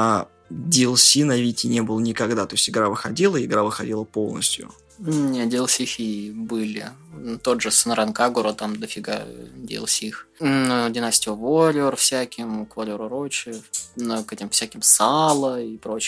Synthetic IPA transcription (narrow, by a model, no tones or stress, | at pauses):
a | dʲɪlˠsʲinɐvʲitʲɪnʲebɨlˠənʲɪkɐɡd̪at̪o̞ɪsʲtʲɪɡɾavɨxɐdʲilˠəɪɡɾavɨxɐdʲilˠəpo̞lˠnə̰sʲtʲjʊ̰ | nʲedʲɪːlˠsʲixʲibɨlʲɪt̪od̪ʐɨsɨnɾankaɡʊɾət̪amd̪əfʲɪɡa̰dʲḛːlˠsʲixnodʲɪnasʲtʲɪʊvoɾʲorfsʲækʲɪmʊkvoɾʲoɾʊɾot͡ɕɪnəkɛtʲɪmfsʲækʲɪmsalˠəipɾot͡ɕɪ̥